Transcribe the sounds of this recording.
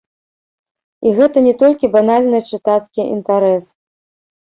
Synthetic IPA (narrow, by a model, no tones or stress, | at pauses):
iɣɛt̪ɐnʲɛt̪ɔlʲkʲibanalʲnɨt͡ʂɨt̪at̪skʲiʔḭnt̪aɾɛs